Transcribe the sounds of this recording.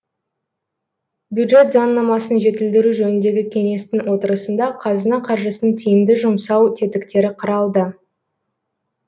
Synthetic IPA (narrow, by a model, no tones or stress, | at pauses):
bjud̪ʒe̞t̪zɑnːɑmɑsənʒe̞t̪ɪld̪ɪɾuʒɵnɪnd̪e̞ɡʲɪkʲʰe̞ŋe̞st̪ɪŋwo̞t̪əɾəsənd̪ɑqʰɑzənɑqʰɑɾʒəsənənt̪ʰijɪmd̪ɪʒʊmsɑwt̪ʰe̞t̪ɪkt̪e̞ɾɪqʰəɾɑlˠd̪ə